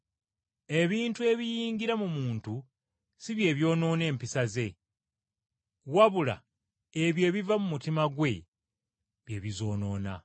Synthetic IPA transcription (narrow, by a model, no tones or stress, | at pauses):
e̞βiːntue̞βijiːŋɡiɾamumuːntu | siβje̞ːβjo̞ːno̞ːne̞ːmpisaze̞ | waβula̰ | eβje̞ːβivamumutimaɡwe̞ | βje̞βizo̞ːno̞ːna̰